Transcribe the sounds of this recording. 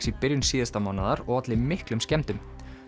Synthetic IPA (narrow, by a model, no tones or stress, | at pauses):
sipɪɾjʏnsiːðast̪amawnaðaɾɔɣat̪lɪmɪhklʏmscɛmt̪ʏm